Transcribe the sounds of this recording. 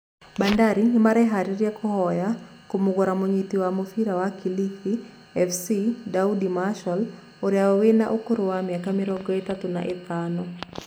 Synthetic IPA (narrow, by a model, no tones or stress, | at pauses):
bandaɾiŋɪmaɾɛɦaɾiɾjɛkʰɔhɔja | komʊɡɔɾamoɲit̪iwamofiɾawakilifi | ɛfsidaudimaʃɔl | oɾjawɔwenaʔokoɾowamjakamɪɾɔɡɔet̪at̪ona̰ʔet̪anɔ